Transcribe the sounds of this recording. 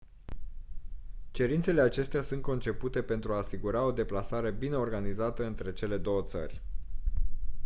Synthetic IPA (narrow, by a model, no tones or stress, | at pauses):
t͡ʃe̞ɾint̪se̞le̞at͡ʃe̞st̪easunt̪̚ko̞nt͡ʃe̞put̪e̞pe̞nt̪ɾuaːsiɡuɾao̞d̪e̞plasaɾe̞bine̞o̞rɡanizat̪əɨnt̪ɾe̞t͡ʃe̞le̞d̪o̞wət̪sə̰rʲ